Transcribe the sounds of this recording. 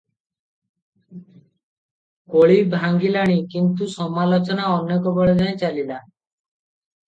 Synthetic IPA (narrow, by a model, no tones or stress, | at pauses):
koɭibʱaŋɡilaɽ̃ikint̪usɔmalot͡ɕɔnaɔnːekɔbɔɭed͡ʒʱaet͡ɕalila